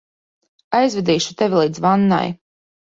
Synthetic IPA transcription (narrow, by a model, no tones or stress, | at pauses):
ajzvʲɛd̪iːʃu̥t̪ɛvʲilˠiːd̪zvanːa̰j